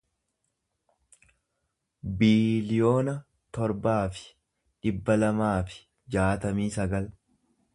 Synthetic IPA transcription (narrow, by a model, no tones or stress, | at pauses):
biːlɪjo̞ːnɐ | t̪ɔɾbaːfɪ̥ | ᶑɪbːɐlɐmaːfɪ̥ | d͡ʒaːt̪ɐmiːsɐɡɐl